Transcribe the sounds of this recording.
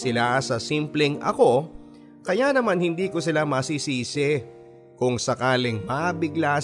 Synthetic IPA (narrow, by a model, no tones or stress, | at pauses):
sɪlasɐsiːmplɛŋʔɐ̰ko̞ | kɐjanɐmanhɪnd̪iːko̞sɪlamɐsiːsiːsɛ | kʊŋsɐkaːlɪŋmabɪɡla